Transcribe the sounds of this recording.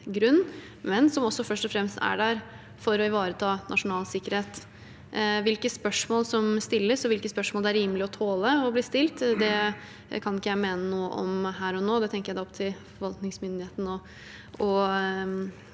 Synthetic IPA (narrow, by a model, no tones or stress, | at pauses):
ɡɾʉnː | mɛnsɔmɔsːɔfœʂʈɔfɾɛmst̪æ̰ɖæɾ | fɔɾɔɪʋɑːɾət̪ʰɑːnʔɑ̰ʂʊnɑːlsɪkːəɾheːt̪ | ʋɪlkəspœʂmoːlsɔmst̪ɪlːəsɔʋɪlkəspœʂmɔːld̪ɛæɾiːməlɪɔt̪ʰoːləɔbliːst̪ɪlt̪d̪ɛ | kʰɑnɪkːəjæɪmeːnənuːə̰ʔɔ̰mhæːɾɔnoːd̪ɛt̪ɛŋkəjæd̪ɛɔp̚t̪ʰɪlfɔʋɑlt̪nɪŋsmʏnd̪ɪheːt̪n̩ɔ | ɔ